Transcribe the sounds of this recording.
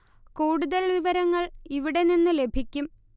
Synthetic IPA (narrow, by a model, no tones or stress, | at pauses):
kuːɽuðɐlʋiʋɐɾɐŋːɐɭiʋiɽe̞ninːɨle̞bʱikʲːum